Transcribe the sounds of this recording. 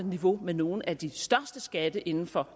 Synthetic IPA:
niʋo̝meno̝ːn̩æd̥isd̥ɶɐsd̥əsɡ̥æd̥əʔe̝nn̩fɒ̽

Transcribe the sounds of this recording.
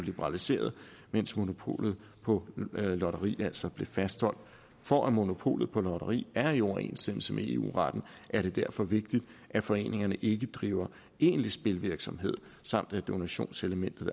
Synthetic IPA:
lib̥əʁɑ̈lise̝̰ːɐðˠmen̰smo̝no̝pʰo̝̰ːlð̩ˠ | pʰɒ̽lɒɾɐʁḭːæl̰sɒb̥le̝fæsd̥hɒ̽l̰d̥ | fɒʔæmo̝no̝pʰo̝̰ːlð̩ˠpʰɒ̽lɒɾ̥ɐʁḭːæɐiɒʊɐe̝̰nsd̥em̰l̩səmeeṵːʁɑ̈d̥n̩ʔæɐɾe̝d̥æɐfɒ̽ʋe̝ɡ̥̚d̥id̥ | ʔæfɒ̽e̝̰ːne̝ŋɐnəʔe̝ɡ̥əd̥ʁiːʊɐ | e̝̰ːnlisb̥e̝lʋiɐɡ̥sɒ̽mɦe̝ð̞̰ˠ | sɑ̈m̰d̥æd̥o̝næɕo̝̰ːnseləmen̰d̥ð̩ˠ

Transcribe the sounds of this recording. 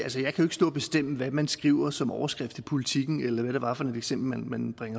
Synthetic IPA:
ælsəjɑ̈ɪkʰæjoe̝ɡ̥sd̥ɔ̰̽ːb̥e̝sd̥em̰əʋæmænsɡ̥ʁḭʊ̰ɐsɒ̽mɒʊɐsɡ̥ʁɛfd̥i̥pʰo̝lit͡sʰiɡ̥n̩elɐʋæɾ̥eʋɑ̈fɒ̽ne̝d̥eɡ̥sem̰b̥l̩mænmænb̥ʁaŋɐ

